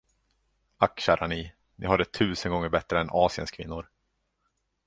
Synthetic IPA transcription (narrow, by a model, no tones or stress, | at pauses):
akːɕæːɾʔani | nʔɪ̰ɦaɖɛt̪ʰʉ̟ːsənɡɔŋːəɾbɛt̪ɾəɛnʔɑːsɪə̰nskʰvɪ̰nːʊɾ